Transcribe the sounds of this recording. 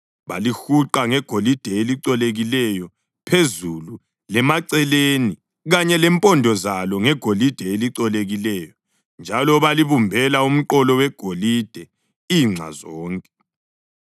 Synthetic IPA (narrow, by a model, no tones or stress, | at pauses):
βa̰lixuǃaŋɛɡ̥ʱolid̥ʱɛeliǀɔleɣilɛjɔ | pʰezulu | lɛmaǀɛleni | ɣaɲɛlɛmpʼɔndʱɔzalɔŋɛɡ̥ʱolid̥ʱɛeliǀɔleɣilɛjɔ | nd͡ʒʱalɔβaliβumbʱɛlaum̩ǃɔlɔwɛɡ̥ʱolid̥ʱɛ | iŋ͡ǁʱa̰zɔːŋkʼɛ̥